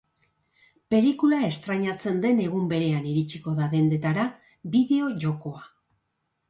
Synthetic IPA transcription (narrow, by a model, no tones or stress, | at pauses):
pe̞likulae̞st̪ɾaɲat͡se̞nd̪e̞ne̞ɣumbe̞ɾe̞aniɾit͡siko̞ðaðe̞nd̪e̞t̪aɾa | biðe̞o̞ʝo̞ko̞a